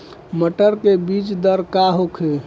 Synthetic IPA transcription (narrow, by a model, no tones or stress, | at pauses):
məʈəɾkebit͡ʃd̪əɾkaɦokʰe